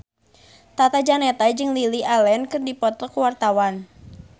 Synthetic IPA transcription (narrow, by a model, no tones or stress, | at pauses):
t̪at̪ad͡ʒanɛt̪ad͡ʒɨŋliliʔalɛnkɨrdipɔt̪ɔkwart̪awan